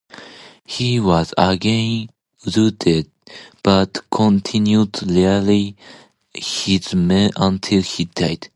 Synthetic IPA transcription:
hiwɔzəɡẽn | ɹutʰɪd̚b̥atkʰɔ̃ntʰĩnjudliəli | hizmɛ̃ʔə̃ntʰɪlhidaɪd̥

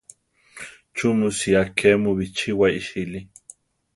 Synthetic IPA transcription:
t͡ʃumusiakʰemuβit͡ʃiwaiʃili

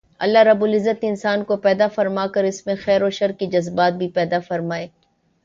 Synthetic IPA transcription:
ɐ̰lːaɾɐbʊlɪzːət̪ɪnsaːnkopɛːd̪afɐɾmaːkɐɾɪsmẽxɛːɾoːʃɐɾkid͡ʒɐzbaːt̪̚bʱipɛːd̪afɐɾmaːeː

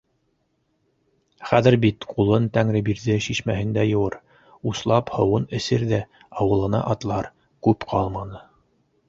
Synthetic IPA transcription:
χæðɘɾbit̪qʰulˠɤnt̪æŋɾɘbiɾðɘʃiʃmæhɘnd̪æjɤ̆wɤɾ | uslˠɑphɤ̆wɤnɘ̆sɘɾðæ | ɑwɤ̆lˠɤ̆nɑ̰ʔɑt̪lˠɑɾ | kʉpqʰɑlˠmɑnɤ

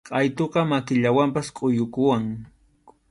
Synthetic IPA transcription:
qʼɑjt̪oqɑmakɪʎawampaskʼʊjʊkʊwaŋ

